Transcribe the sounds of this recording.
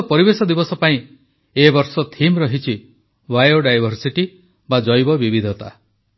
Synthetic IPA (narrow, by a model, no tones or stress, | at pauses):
pɔɾibesɔd̪ibɔsɔpaĩ | ebɔɾsɔt̪ʰimɾɔɦit͡ʃʰi | wajoɖajbʱɔɾsiʈi | bad͡ʒɔjbɔbibid̪ʱɔt̪a̰